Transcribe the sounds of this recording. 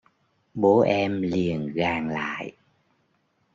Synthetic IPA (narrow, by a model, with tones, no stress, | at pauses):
ɓo˨˦ʔɛ˧mli˨˩ənɣaː˨˩ŋla̰ː˧˨j